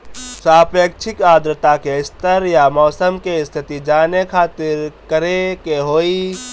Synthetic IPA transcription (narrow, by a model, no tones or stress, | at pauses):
saːpeːk̚t͡ʃʰɪkaːd̪ɾɪt̪akeɪst̪əɾjamɔːsəmkeɪst̪ʰɪt̪id͡ʒaːnekʰaːt̪ɪɾkəɾekeɦoːi